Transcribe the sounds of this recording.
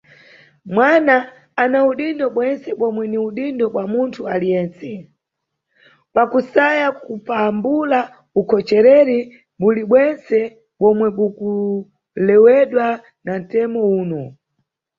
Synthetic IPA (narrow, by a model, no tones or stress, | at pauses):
mwana | anauɗindɔɓwɛnsɛɓɔmwɛniuɗindɔɓwamuntʰualijɛːnt͡sɛ | pakusajakupambula | ukʰɔt͡ʃɛɾɛɾi | ɓuliɓwɛnsɛ | ɓɔmwɛɓuku | lɛwɛɗwa | nan̩tɛmɔuːnɔ